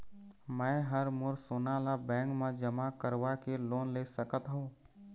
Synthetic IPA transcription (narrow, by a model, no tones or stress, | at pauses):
mɛ̃ːɦəɾmʊɾsoːnalabɛ̃ːŋkmẽd͡ʒəmakəɾʋakeloːnleːsəkət̪ɦũː